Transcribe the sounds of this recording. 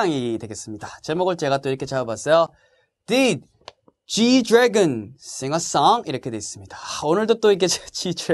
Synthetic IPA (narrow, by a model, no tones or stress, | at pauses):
ŋidwe̞ɡe̞s͈ɯmɲidat͡ɕemoɡɯɭt͡ɕ͈e̞ɡat͈oiɾʌkʰet͡ɕaobas͈ʌjo | tit̚ | t͡ɕidɾeɡɯns͈ʰeŋɦas͈aŋiɾʌkʰe̞dwe̞s͈ɯmɲid̥aonɯɭdot͈oiɡet͡ɕet͡ɕid